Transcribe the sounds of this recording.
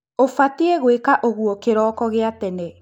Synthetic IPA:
ofatiɛɣwekaʔoɣuɔkeɾɔːkɔɣeatɛnɛ

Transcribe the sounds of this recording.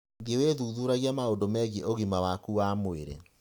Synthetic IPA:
ɡeweðuːðuɾaɣiamaondomɛɣeʔoɣimawakuwaːmoḛɾḛ

